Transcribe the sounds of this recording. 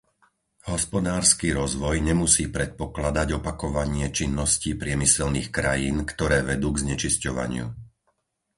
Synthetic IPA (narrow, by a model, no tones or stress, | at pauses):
ɦɔspɔd̪aːɾskiːɾɔzʋɔjɲɛmusiːpɾɛt̪̚pɔklad̪aɟɔpakɔʋaɲɪɛt͡ʃinːɔsciːpɾɪɛmisɛlniːxkɾajiːnkt̪ɔɾɛːʋɛd̪uːɡzɲɛt͡ʃiscɔʋa̰ɲɪṵ